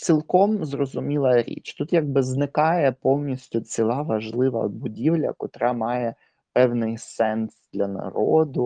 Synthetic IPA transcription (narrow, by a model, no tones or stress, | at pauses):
t͡sʲilˠkɔmzrɔzʊmʲilˠɐɾʲḭt͡ʃt̪ut̪jaɡ̚bɪznɪkɑjɛpɔwnʲisʲtʲʊt͡sʲilˠɑʋɐʒlˠɪʋɐ̰bʊdʲiwlʲɐ̰kɔt̪ɾɑmɑjɛ | pɛwnɪjsɛnsd̪̥lʲɐnɐ̰ɾɔd̪ʊ